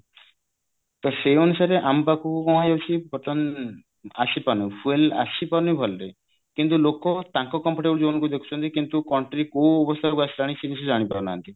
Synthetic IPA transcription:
t̪ɔseonusaɾeʔampakukukɔmad͡ʒawt͡ʃʰipɔt̪ɔn | a̰sipaɾnifuela̰sʰipaɾnibʱɔlɖe | kint̪̬ulokɔt̪ãŋkɔkɔmpʰɔʈebɔd͡ʒɔbnŋkud̪ekʰu̥t͡ʃʰɔnt̪ikint̪ukɔɳʈɾikowɔbɔst̪ʰakuasʰi̥ɾaɽ̃isid̪isud͡ʒaɽ̃ipabɔna̰nt̪i

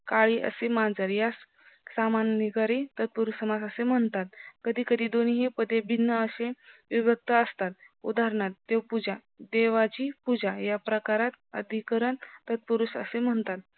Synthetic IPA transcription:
kaɭiːʔə̰semãnd͡zaɾjas | samanniɡaɾit̪ət̪̚puɾusəmad͡zəsem̤əɳt̪at̪̚kəd̪ʱiːkəd̪ʱiːd̪oniɦepəd̪ebʱinːəəseʋibək̚t̪aəst̪at̪̚ | ṵd̪aɾɳat̪̚ːewpud͡ʑa | d̪eʋat͡ɕiːpud͡ʑajapɾəkaɾat̪ə̰d̪ʱikəɾəɳt̪ət̪̚puɾusə̰sem̤əɳt̪at̪̚

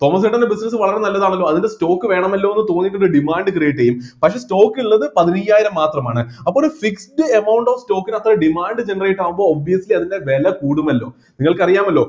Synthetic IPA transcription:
t̪o̞ːmɐs̬eʈːɐndebisnɐsɨʋɐɭɐɾe̞nɐlːɐðaːɳɐlːo̞ːɐðindesto̞ːkːɨʋe̞ːɳɐmɐlːo̞ːenːɨt̪o̞ːŋːjiʈ̬ːoɾuɖimaːɳɖɨkrijiʈːɐjumpɐkʂe̞ːsto̞ːkːiɭːɐðɨpɐðiɾijaːjiɾɐmːaːt̪rɐmaːɳɨɐpːoɾufiksʈɨemɐwɳɖoːfsto̞ːkːinɐt̪ːrɐɖimaːɳɖɨd͡ʑe̞nɐrejiʈːaːʋumbo̞ːobʋijɐsliɐðinde̞ʋe̞lɐkuːɽumɐlːo̞̰ː | niŋːɐɭkɐrijaːmɐlːo̞ː

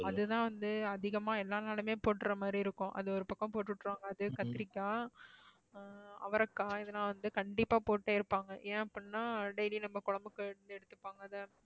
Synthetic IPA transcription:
ɐðɯt̪ãːʋɐnd̪ɯɐðɪɣɐmaːɛlːaːnaːlɐmeːpoːʈːɪɾɐmaːd̪ɾiɪɾɯkːʊ̃ʔɐ̰ðɯɔɾɯpɐkːɐ̃poːʈːɯʈːɾaːŋɡɐːðɯkɐt̪ːɪɾɪkːaː | ɐ̰ʋɐɾɐkːaːɪðɐnːaːʋɐnd̪ɯkɐɳɖɪpːaːpoːʈːeːɪɾɯpːaːŋɡɐʔeːɐpːɐɳɯnːaːɖeɪlinɐmːɐkɔɻɐmbɯkːɯɛɽɯnd̪ɛɽɯt̪ːɯpːaːŋɡɐðɐ

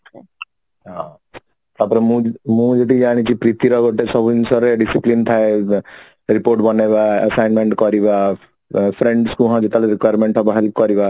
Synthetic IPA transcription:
ã | t̪apɾemũmũd͡ʒet̪id͡ʒaːñit͡ʃʰipɾit̪iɾɔɡoʈːesɔbnsɔɾeɖisiplint̪ʰae | ɾipoːɾʈbɔnebaɐsaɪnmẽɳʈkɔɾiba | pʰɾẽɳɖskuɦãd͡ʒit̪aleɾikwajɾmẽɳʈɔbɦɛlp̚kɔɾiba

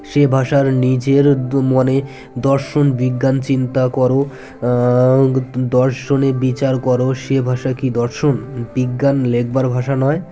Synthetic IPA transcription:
ʃebʱaʃaɾnid͡ʑeɾmone | d̪ɔɾʃonbiɡːant͡ɕint̪akɔɾo | d̪ɔɾʃonebit͡ɕaɾkɔɾoʃebʱaʃakid̪ɔɾʃonbiɡːanlek̚ʰbaɾbʱaʃanɔe

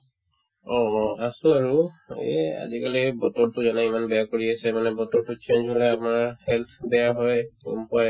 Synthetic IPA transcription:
ɔasuɹuḛa̰zikalibɔt̪ɔɹtuzanaimanbɛjakoɹiasʰɛmanɛbɔt̪ɔɹtut͡ʃend͡ʒɦɔlɛapɔnaɹhɛlt̪ʰbɛjaɦɔjṵmpaj

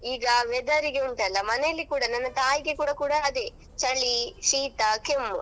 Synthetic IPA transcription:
iːɡɐʋɛd̪ɐɾiɡeuɳʈ̪ɐɐlːɐmɐnejɐlːikuːɽɐnɐnːɐt̪aːjiɡe̞kuːɽɐkuːɽɐːd̪e̞ | t͡ʃɐɭiʃiːt̪ɐkem

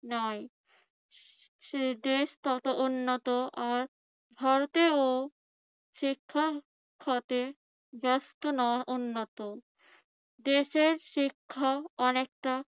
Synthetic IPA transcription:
nɔe | ed̪eʃt̪ɔt̪oʔunːot̪oʔaɾ | bʱaɾot̪eo | ʃikʰːa | kʰːat̪e | d͡ʑast̪onɔʔunːot̪o | d̪eʃeɾʃikʰːaɔnek̚ʈa

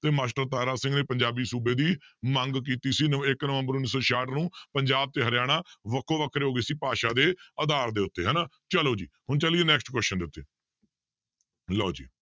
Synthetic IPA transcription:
t̪eːmaːsʈəɾt̪aːɾaːsɪ̃ŋɡneːpəɲd͡ʒaːbiːsuːbeːd̪iːmə̃ŋɡk̬iːt̪iːsiːnɪknəʋəmbəɾʊnːiːsɔːʃaːʈnũːpəɲd͡ʒaːb̚t̪eːɦəɾɪjaːɽ̃aːʋəkʰːõːʋəkʰɾeɦoːɡeːsiːpaːʃaːd̪eːəd̪aːɾd̪eːʊt̪ːeːɦɛːnaː | t͡ʃəloːd͡ʒḭːhʊɳt͡ʃəliːeːnɛːksʈkwɛːsʃənd̪eːʊt̪ːeː | laːd͡ʒḭː

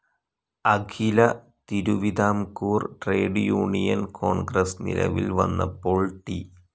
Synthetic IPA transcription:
ɐkʰilɐ | t̪iɾuʋid̪aːmkuːrʈreːɖjuːɳijɐnkʰoːɳɡrɐsnḭlɐ̰ʋilʋɐ̰nːɐ̰pːoːɭʈi

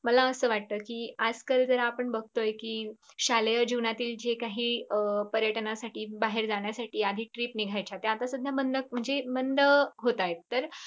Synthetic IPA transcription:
məlaəsəːʋaʈ̚t̪əːkiːad͡zkəld͡zəɾaapəɳbəɡ̚ʱt̪ojkiːɕaljəd͡ʑunat̪iːld͡ʑekaɦiːəpəɾjəʈnasaʈiːbaɦeɾd͡zaɽ̃jasaʈiːad̪ʱiːʈɾiːpniɡʱajt͡ɕʰat̪eat̪asud̪ʱjamənd̪əkm̤əɳd͡zemənd̪əɦot̪ajt̪t̪ːəɾ

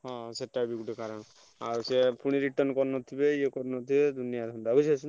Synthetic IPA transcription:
ɦɔ̃seʈːabikuʈekaɾɔn | a̰ɾsepuɽ̃iɾiʈɔɾnkɔɾnɔt̪ʰibejekɔɾnɔt̪ʰibed̪ʱunijad̪ʱɔnbɔbɔʃesʰin

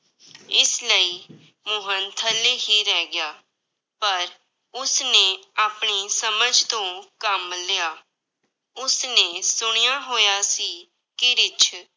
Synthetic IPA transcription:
ɪsləiː | mʊɦənt̪ʰəlːeːɦiːɾɛːɡɪjaː | pəɾ | ʊsneːaːpɳiːsəməd͡ʒt̪õːkəmleːaː | ʊsnẽːsʊɳ̃ejaːɦoːjaːsiː | kɪɾɪt͡ʃʰ

